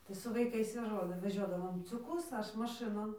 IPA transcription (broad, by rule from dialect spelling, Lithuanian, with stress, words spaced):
tɐɪ sʊ ʋɐɪˈkɐɪs jɛʊ ˈʒoːlʲæː ʋʲɛˈʒʲoːdɐʋoːm t͡sʲʊˈkʊs ˈɐʃ mɐˈʃɨnoːn